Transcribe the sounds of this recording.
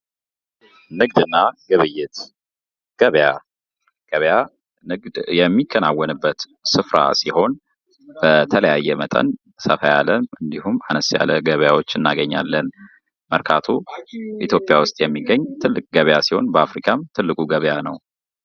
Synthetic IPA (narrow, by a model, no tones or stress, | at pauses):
nɨɡ̚d̪ɨnːaɡ̥əβɨjːɛt̪ | ɡ̥əβja | ɡ̥əβja | nɨɡd̪jɛmːikʰːənawːənɨbːət̪ | sɨfɾʔa̰siho̞n | b̥ət̪ʰələjajːɛmət̪ʼə̰n | səfəja̰ləmɨnd̪ihumanəsja̰ləɡəβjawo̞t͡ʃːɨnːaɡəɲːa̰lːən | məɾkʰat̪ʰuʔit̪ʰjo̞pʼːjawʊst̪ʼjɛmːiɡːəɲːt̪ʰɨlːɨkʼɡəβjasiho̞nbəafɾikʰamt̪ʰɨlːɨkʼuɡəβjanəw